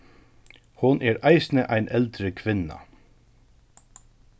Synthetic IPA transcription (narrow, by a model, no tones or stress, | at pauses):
hʊnʔɛːɾaɪsnəʔajnʔɛlt̪ɾəkʰʋɪna̰